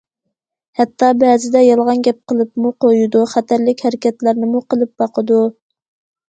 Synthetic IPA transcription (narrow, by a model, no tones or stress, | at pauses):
hɛt̪ːɑbɛzɪd̪ɛjɑlˠʁɑnɡʲɛp̚qəlˠɨp̚muqojud̪uχæt̪ʰæɾlɪkʲhæɾɪkʲɛt̪læɾnɪmuqəlˠɨp̚bɑqʰəd̪u